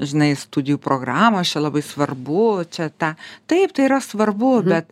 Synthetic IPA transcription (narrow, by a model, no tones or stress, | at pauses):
ʒʲɪnɐɪst̪ud̪ʲɪjuːpɾoːɡɾɑːmoːt͡ʃʲɛlˠɐbɐɪsʋɐrbʊt͡ʃʲɛt̪ɐt̪ɐɪp̚t̪ɐɪiːɾɐsʋɐrbʊbʲɛt̪